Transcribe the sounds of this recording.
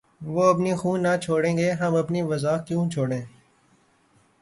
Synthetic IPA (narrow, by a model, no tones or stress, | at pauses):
ʋoːɐpniːxũːnːat͡ʃʰoːɽẽːŋɡeːɦɐmɐpniʋəzaːkjũːt͡ʃʰoːɽẽː